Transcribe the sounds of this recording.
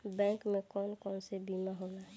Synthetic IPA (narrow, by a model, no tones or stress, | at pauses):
bɛ̃ŋkmẽkɔːnkɔːnsebimaɦoːnaɦ